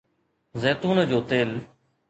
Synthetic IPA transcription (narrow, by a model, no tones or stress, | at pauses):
zɛːt̪uːnd͡ʑoːt̪eːl